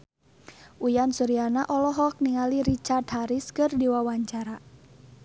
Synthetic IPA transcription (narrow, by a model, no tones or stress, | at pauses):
ʔujansuɾianaʔɔlɔɦɔk̚niŋaliɾit͡ʃard̪̚haɾɪskɨrdiwawaɲt͡ʃaɾa